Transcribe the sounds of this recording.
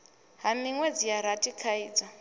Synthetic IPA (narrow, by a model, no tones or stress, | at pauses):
ɦamiŋwɛd͡zijaɾatʼikʰaiːd͡za